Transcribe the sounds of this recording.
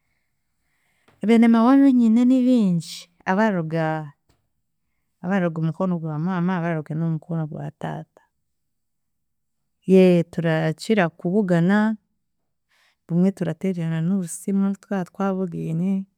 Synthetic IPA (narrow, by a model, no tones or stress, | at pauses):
βenemawameɲineniβiːɲɟii | aβaɾoɡa | βaɾaɾoɡomukonoɡwamaːmaβaɾaɾoɡenomukonoɡwa̰ta̰ːtḁ | jetuɾaciɾakuβuɡana | βumwe̞tuɾateɾeɾananoβusimutwatwaːβoɡeːne